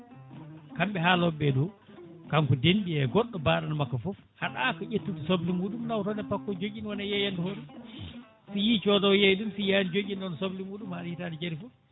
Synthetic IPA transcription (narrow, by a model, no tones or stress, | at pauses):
kamɓɛɦalɔbːɛɗɔ | kamkɔdenɓiɛɡɔɗːɔbaːɗanamakːafɔfhaɗakɔʔetːutusoblimuːɗumnawtɔnɛpakːɔd͡ʒoɡinwɔnajɛjandɔhoɗu | sijit͡ʃɔtɔwjajɗumsijanid͡ʒoɡʲinɗɔnɔsoblimuːɗumhaɗahitanid͡ʒaɾifɔ